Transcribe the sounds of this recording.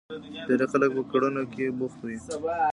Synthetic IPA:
d̪eɾexalək̚pəkaɽunokebʊxt̪wi

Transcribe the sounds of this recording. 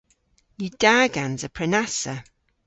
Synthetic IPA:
jəd̥aːɡanzəpʰɹ̥ɛnasə

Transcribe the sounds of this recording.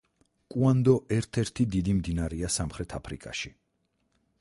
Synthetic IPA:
kʼuand̪ɔʔɛɾt̪ʰɛɾt̪ʰid̪id̪imd̪inaɾɛasamχɾɛt̪ʰapʰɾḭkʼa̰ʃi

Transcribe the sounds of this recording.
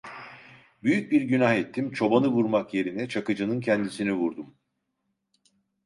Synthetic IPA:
byjyc̚biɾɟynahɛt̪ʰːimt͡ʃʰo̞banɯvuɾmakje̞ɾinɛt͡ʃʰakɯd͡ʒɯnɯncʰɛnd̪isinivuɾd̪um

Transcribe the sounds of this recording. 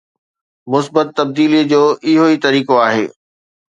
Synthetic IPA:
mʊsbət̪ːɐb̚d̪iːlid͡ʑoːʔɪɦoit̪ɐɾiːkoaːɦḛː

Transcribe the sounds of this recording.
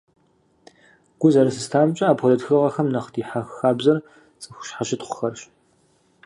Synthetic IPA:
ɡ̥ʷʊzɐɾɨsɨstʰaːmt͡ʃʼɐaːpʰɔlɐtxɨʁɐxɐmnɐχdʰiːħaxxaːbzɐr | t͡sʼɨxʷʊ̥ɕħaɕɪtχʷʊ̥xɐrɕ

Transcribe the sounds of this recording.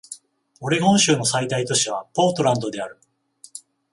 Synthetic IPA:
o̞ɾe̞ɡõ̞ɰ̃ɕɨːno̞said̪ait̪o̞ɕiβ̞apo̞ːt̪o̞ɾãnd̪o̞d̪e̞aɾɯ̟

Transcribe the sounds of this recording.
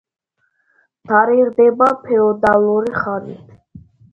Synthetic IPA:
d̪̥aɾiɾd̪ɛbapʰɛɔd̪aluɾiχaɾḭt̪ʰ

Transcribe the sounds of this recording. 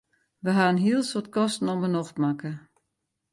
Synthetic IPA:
ʋəɦaːənɦiəlˠsotkɔstn̩ɔmənɔxtmakə

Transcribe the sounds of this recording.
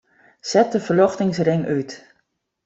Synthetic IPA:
sɛt̚dəfərlɔxtɪŋsrɪŋʔyt

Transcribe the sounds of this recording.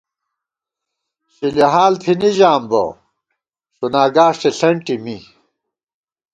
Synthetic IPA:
ɕiliɦaːlt̪ʰiniʑaːmbɐ̰ | ɕunaːɡaːʂʈeɬɐɳʈimi

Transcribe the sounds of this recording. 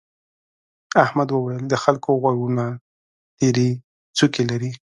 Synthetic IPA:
ahmad̪wəwajəld̪əxalkoɣwaɽuna | t̪eɾi | t͡sukelaɾi

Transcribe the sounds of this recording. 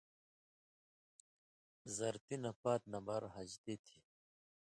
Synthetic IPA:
zɐɾt̪inɐpaːt̪̚nɐmbaɾɦɐd͡ʑd̪et̪ʰi

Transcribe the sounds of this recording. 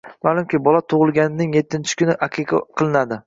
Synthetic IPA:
maːlˠʊmkʲɪbɒlat̪ʰʊʁɨlˠɡʲanɪnɪŋjet̪ʰːɪnt͡ʃʰɪ̥kʰʲʊnɪʔaqʲʰɨqɑ̰qʰɨlˠɪnad̪ɪ

